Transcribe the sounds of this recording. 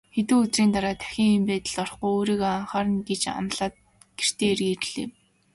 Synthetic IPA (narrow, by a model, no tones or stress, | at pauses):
xet̪ŭːut͡sriːnt̪aɾaːt̪ʰæ̥xʲĭŋimpæːt̪ə̆ɮɔrχujoːɾiːɣoaɴχaːɾə̆nɡet͡ɕa̰mɮaːt̪̚ | ɡ̥er̥t̪eːerɣeːr̆ɮḛː